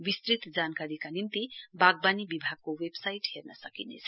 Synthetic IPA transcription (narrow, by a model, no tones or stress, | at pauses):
bist̪ɾit̪d͡zankaɾikanint̪ibaɡ̚banibibʱaɡ̚kowebsajʈɦernʌsʌkinḛt͡sʰʌ̥